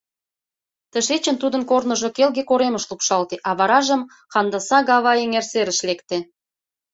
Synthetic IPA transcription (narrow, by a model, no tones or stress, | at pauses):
t̪əʃet͡ɕə̆nt̪ud̪ənkornə̆ʒŏkelɣekoɾeməʃlupʃɑlt̪eʔɑβɑɾɑʒə̆m | xɑnd̪ɑsɑɣɑβɑeŋerseɾəʃlekt̪e